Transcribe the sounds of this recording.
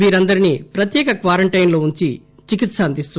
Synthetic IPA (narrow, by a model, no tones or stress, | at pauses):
ʋiːɾɐnd̪ɐɾinipɾɐt̪jɛːkɐkʋaːɾɐɳʈɐjnlo̞ːuɲt͡ʃi | t͡ʃikit̪sɐɐnd̪ist̪u